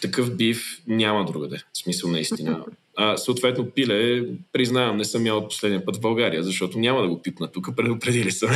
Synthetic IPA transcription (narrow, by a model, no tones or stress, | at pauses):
t̪ɐkɤfbifnʲamɐd̪ɾuɡəd̪ɛsmisəlˠnɐist̪inə̰ː | səʊt̪vɛt̪nopilɛpɾiznavɐmnɛsəmːjaot̪̚po̥slɛd̪nʲipɤt̪vbɐlˠɡaɾijəzɐʃt̪ɔt̪onʲamɐd̪ɐɡopit̪nət̪ukəpɾɛd̪ʊpɾɛd̪ilisə